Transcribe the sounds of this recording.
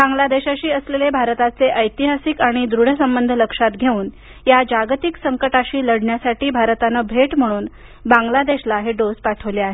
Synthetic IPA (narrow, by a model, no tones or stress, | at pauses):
bãŋɡlad̪eɕaɕiːəslelebʱaɾt̪at͡seʔəjt̪iɦasikaɽ̃id̪ɾuɽ̤əsəmbənd̪ʱələkʂat̪ɡʱeuːn | jad͡ʑaɡt̪iksəŋkəʈaɕiːləɽɳjasaʈiːbʱaɾt̪anəbʱeʈm̤əɽ̃uːn | baŋɡlad̪eɕlaɦeɖod͡zpaʈʰəʋleaɦe